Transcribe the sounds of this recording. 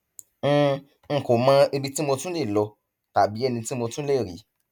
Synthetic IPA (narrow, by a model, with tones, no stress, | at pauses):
ŋ̩˨ko˨mã˦e˧bi˧ti˦mo˧tũ˦le˦˨lɔ˧ | ta˨bi˨˦ɛ˦˨nĩ˧ti˦mo˧tũ˦le˦˨ɾḭ˨˦